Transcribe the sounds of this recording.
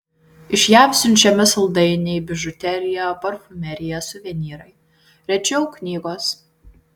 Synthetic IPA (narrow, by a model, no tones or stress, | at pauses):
ɪʃʲjæmʲsʲʊnʲt͡ʃʲɛmʲɛsɐlˠd̪ɐɪnʲejbʲɪʒʊt̪ʲɛɾʲɪjɛopɐɾfʊmʲɛɾʲɪjɛsʊʋʲɛnʲiːɾɐɪ | ɾʲɛt͡ʃʲɛʊknʲiːɡoːs